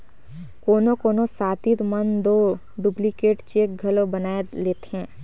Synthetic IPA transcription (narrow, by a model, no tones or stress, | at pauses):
koːnokoːnosaːt̪it̪mənd̪oː | ɖuplikeːʈt͡ʃeːk̚ɡʱɐlobənaːeleːt̪ɦɛ̃ː